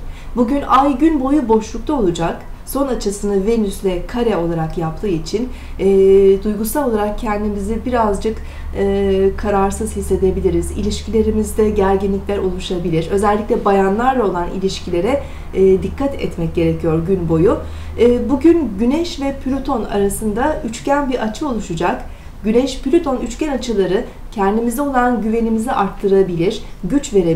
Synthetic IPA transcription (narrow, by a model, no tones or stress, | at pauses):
buɟynajɟynbo̞jubo̞ʃlˠuk̚t̪ʰao̞lˠud͡ʒak | so̞nat͡ʃʰɯsɯnave̞nyslʲɛkʰaɾɛo̞lˠaɾakjaplʰˠɯːit͡ʃʰinː | d̪ujɡusalˠo̞lˠaɾak̚cʰɛnd̪imizibiɾazd͡ʒɯk | ɯkʰːaɾaɾsɯz̥hisːe̞d̪e̞bilʲiɾizḭlʲiʃcʰilʲe̞ɾimizd̪ɛɟæɾɟinlʲiclʲæɾo̞lˠuʃabilʲiɾø̞zɛlʲːiclʲɛbajanlˠaɾlˠao̞lˠanḭlʲiʃcʰilʲe̞ɾɛː | d̪ikʰːat̪ʰɛ̰t̪mɛc̚ɟe̞ɾecʰijo̞ɾɟynbo̞juː | buɟynɟynɛʃvɛpʰlʲut̪ʰo̞na̰ɾasɯnd̪ayt͡ʃcænbiɾat͡ʃʰɯo̞lˠuʃud͡ʒak | ɟynɛʃplʲut̪ʰo̞nyt͡ʃcænat͡ʃʰɯlˠaɾɯ | cʰɛnd̪imizɛo̞lˠanɟyve̞nimiziʔaɾt̪ʰːɯɾabilʲiɾ̥ɟyt͡ʃve̞ɾe